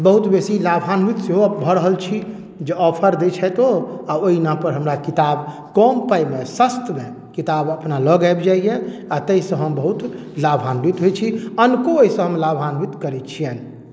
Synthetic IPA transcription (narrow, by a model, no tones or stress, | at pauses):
bəɦut̪besilabʱanbit̪seɦobʱəɾəɦəlt͡ʃʰi | d͡ʒeɔpʰəɾd̪et͡ʃʰɛjt̪oaoɦinapəɾɦəmɾakit̪ab | kɔmpajmesəst̪me | kit̪abəpnaləɡajbd͡ʒaijeat̪əisə̃ɦəmbəɦut̪ | labʱanɾit̪ɦojt͡ʃʰiənkooɦisə̃ɦəmlabʱanbit̪kəɾɛt̪t͡ʃʰijɛn